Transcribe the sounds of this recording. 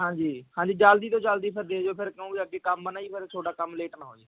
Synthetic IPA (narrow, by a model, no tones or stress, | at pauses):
ɦãːɲd͡ʒiːhãːɲd͡ʒiːd͡ʒald̪iːt̪õːd͡ʒəːld̪iːpʰɪɾd̪eːd͡ʒoːpʰɪɾkɪũːbiːəɡːeːkəmbənaːiːpʰɪɾt͡ʃʰoːʈaːkəmleːʈnaːɦo̰ːiː